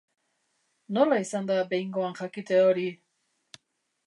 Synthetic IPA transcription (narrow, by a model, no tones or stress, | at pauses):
no̞laisand̪abe̞jŋɡo̞aŋxakit̪eoɾi